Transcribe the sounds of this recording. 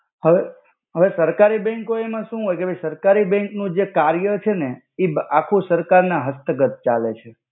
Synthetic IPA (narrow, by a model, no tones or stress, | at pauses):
ɦəʋe | ɦəʋesəɾkaɾibɛ̃ŋkoemãʃũɦojkeʋesəɾkaɾibɛ̃ŋknũd͡ʒekaɾjət͡ʃʰene | ibakʰũsəɾkaɾnãɦəst̪əɡət̪̚t͡ʃalet͡ʃʰe